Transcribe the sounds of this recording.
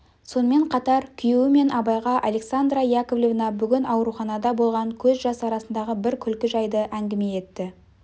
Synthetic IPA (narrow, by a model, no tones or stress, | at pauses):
so̞nəme̞ɴqʰɑt̪ɑɾkʲʰʏjewɪme̞nɑbɑjʁɑʔɑle̞ksand̪ɾajakovlʲovnɑbʏɡʲɪnɑwɾuχɑnɑd̪ɑbo̞lˠʁɑŋkʲʰɵzʒɑsɑɾɑsənd̪ɑʁəbɪɾkʲʰʏlkʲɪʒɑjd̪əʔæŋɡʲɪme̞e̞t̪ːɪ